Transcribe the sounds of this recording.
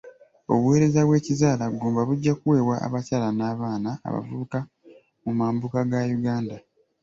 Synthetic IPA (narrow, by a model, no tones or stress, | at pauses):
o̞̰βuwe̞ːɾe̞zaβwe̞ːcizaːlaɡoːmbaβuɟːakuwe̞ːβwa̰ːβacaːlanaːβaːna̰ːβa̰vuβuka | mumaːmbukaɡajuɡaːnda